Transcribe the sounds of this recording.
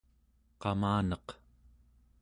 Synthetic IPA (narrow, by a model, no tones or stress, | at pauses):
qɑmaːnʌq